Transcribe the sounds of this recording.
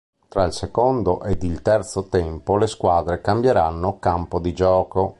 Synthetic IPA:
t̪ɾailsekond̪oʔed̪ilt̪ɛrt̪sot̪ɛmpoleskwaːd̪ɾekambjeɾanːokampod̪id͡ʒɔːko

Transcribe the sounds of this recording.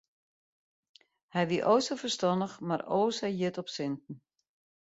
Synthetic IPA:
hɛjʋiʔojsəfərstɔndəxmaroːsɛjjɪtɔpsɪntn̩

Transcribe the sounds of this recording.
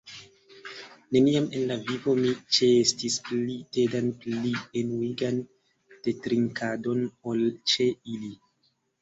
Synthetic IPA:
ne̞niame̞nlavivo̞mit͡ʃestisplite̞danplienuiɡan | te̞tɾiŋkado̞nolt͡ʃe̞ili

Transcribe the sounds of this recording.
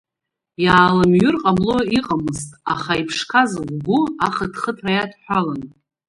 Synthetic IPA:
jaːlamɥʏrqʼamlo̞iqʼamɨztʼa̰χaipʰʂkʰazʁʷɡʷʊaχadχətʰrajatʰħʷᶣalan

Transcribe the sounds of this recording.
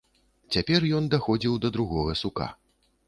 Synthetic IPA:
t͡sʲapʲɛrjɔnd̪axɔd͡zʲiwd̪ɐd̪ɾuɣɔɣɐsuka̰

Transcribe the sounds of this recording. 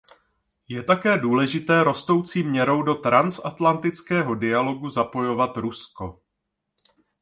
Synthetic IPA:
jɛt̪akɛːduːlɛʒɪt̪ɛːɾo̞st̪o̞wt͡siːmɲɛɾo̞wdo̞t̪ɾant͡sʔat̪lant̪ɪt͡skɛːɦo̞dɪalo̞ɡuzapo̞jo̞vat̪ɾusko̞

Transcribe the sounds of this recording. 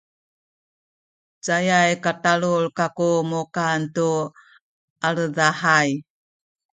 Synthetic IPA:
t͡sajajkatalulkakumukantu | aɾəðahaj

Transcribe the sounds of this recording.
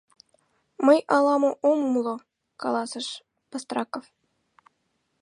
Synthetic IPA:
mɤjʔɑlˠɑmɤʔomumlˠo | kɑlˠɑsɤ̆ʃ | pɑst̪rɑkof

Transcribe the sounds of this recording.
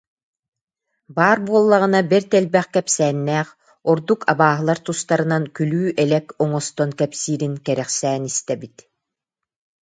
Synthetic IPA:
baːɾbuɔlˠːaʁɯ̆nabɛɾt̪ɛlbɛχkɛpsɛːnːɛːχ | ɔɾd̪ukabaːɦɯlˠaɾt̪ust̪aɾɯnankylyːʔɛlɛkɔŋɔst̪ɔnkɛpsiːɾinkɛɾɛχsɛːnist̪ɛbit̪

